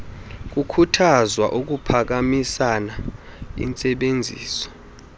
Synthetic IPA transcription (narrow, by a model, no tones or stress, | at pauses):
k̬ukʰutʰazwa̰ʔuk̬upʰak̬amisana | ḭnt͡sʼɛɓend͡zʱḭːsɔ̥